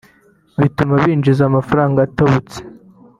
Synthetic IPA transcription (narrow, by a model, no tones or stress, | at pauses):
βitumaβiːnd͡ʒizamafaɾaːŋɡaːtaβut͡se̥